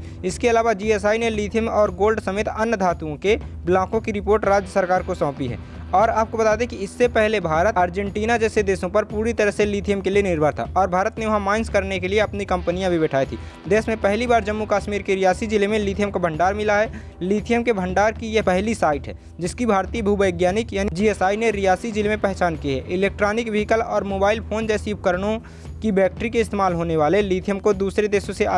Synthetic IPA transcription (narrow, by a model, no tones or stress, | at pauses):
ɪskeɐlaːʋad͡ʒiɛːsaːineliːt̪ʰijəmɔːɾɡoːlɖsɐmeːt̪ɐnd̪ʱaːt̪uõkeblãːkõkiɾɪpoːɾʈɾaːd͡ʒjəsəɾkaːɾkosɔ̃ːpiɦɛ̰ː | ɔːɾaːp̚kobɐt̪aːd̪ẽkiɪsːepɛɦlebʱaːɾət̪aːɾd͡ʒɛ̃ɳʈiːnad͡ʒɛːsed̪eːsõpɐɾpuːɾit̪əɾəɦseliːt̪ʰijəmkelienɪɾbʱəɾt̪ʰa̰ʔɔːɾbʱaːɾət̪neʋɐɦãmaːɪnskɐɾnekelieɐpnikɐ̃mpnijãbʱibɛʈʰaːit̪ʰḭ | d̪eːsmẽpɛɦlibaːɾd͡ʒəmːukaːʃmiːɾkeɾɪjaːsid͡ʒɪlemẽliːt̪ʰijəmkobʱə̃ɳɖaːɾmɪlaɦɛː | liːt̪ʰijəmkebʱə̃ɳɖaːɾkijepɛɦlisaːɪʈɦɛ̰ː | d͡ʒɪskibʱaːɾt̪iːəbʱuːbəɪɡjaːnɪkjaːnid͡ʒiːesaːineɾijaːsid͡ʒɪlemẽpɛɦt͡ʃaːnkiɦɛ̰ːʔɪleːk̚ʈɾaːnɪkʋeɦɪkəlɔːɾmoːbaːɪlpʰoːnd͡ʒɛːsijub̚kəɾəɽ̃õ | kibɛːk̚ʈɾikeɪst̪eːmaːlɦoːneʋaːleliːt̪ʰijəmkod̪uːsɾed̪eːsõsea